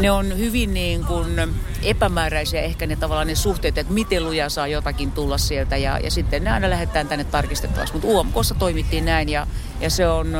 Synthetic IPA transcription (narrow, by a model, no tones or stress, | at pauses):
neonhyʋinniːŋkun | epæmæːræisiæehkænet̪ɑʋɑlːˑɑːnesuht̪eːt̪et̪mit̪elujɑsɑːjot̪ɑkint̪ulːɑssielt̪æjɑ̰jɑ̰sit̪ːenneɑinɑlæhet̪ːˑæːnt̪ænːet̪t̪ɑrkist̪et̪ːɑ̰ʋɑ̰ksmut̪uːɑmkosːɑt̪oimit̪ːiːnnæinjɑ | jɑseon